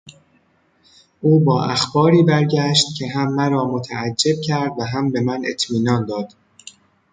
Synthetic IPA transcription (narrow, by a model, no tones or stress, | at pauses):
ʔuːbɒːʔæxbɒːɾiːbæɾɟæʃt̪̚cʰe̞ɦæmːæɾɒːmo̞t̪ʰææd͡ʒːe̞b̚cʰæɾd̪væɦæmbe̞mænḛt̪ʰmiːnɒːnd̪ɒːd̪̥